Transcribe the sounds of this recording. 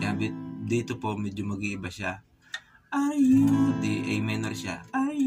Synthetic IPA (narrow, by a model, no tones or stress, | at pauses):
aːbɪt̪̚d̪iːt̪opo̞mɛd͡ʒomɐɡiʔɪbɐʃa | ʔajond̪iʔɛjmɛnɐɾʃa̰ʔa